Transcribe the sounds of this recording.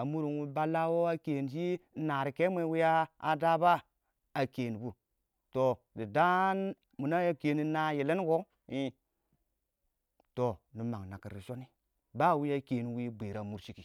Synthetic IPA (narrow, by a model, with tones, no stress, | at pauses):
a˨mu˦ɾi˨nwu˦ba˦la˦wo˦a˦ke˨n˨ʃi˦na˨ɾi˨ke˦m˦e˦wi˦jaː˦˨da˦ba˦ | a˨ke˨ni˨bu˦ | to˨ | di˨da˦n | mu˨na˦ja˦ke˨ni˨na˨je˨le˦ko˦ | i˦ | to˨nu˨ma˨ŋna˨ki˨ɾi˨ʃo˦ni˦ | ba˦˨wi˦ja˦ke˨ni˨wi˦be˨ɾa˨mu˦ɾʃi˦ki˨